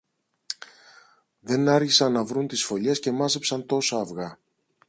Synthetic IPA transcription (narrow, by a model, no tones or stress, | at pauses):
ðe̞nɐɾçisɐnːɐvɾunt̪isfo̞ʎesce̞mɐze̞psɐnt̪o̞sɐːvɣɐ